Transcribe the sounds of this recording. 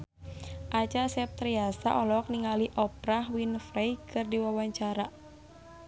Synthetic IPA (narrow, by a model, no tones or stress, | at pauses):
ʔat͡ʃasɛp̚t̪ɾiasa̰ʔɔlɔk̚niŋaliʔɔpɾahwinfɾejkʰɨrdiwawaɲt͡ʃaɾa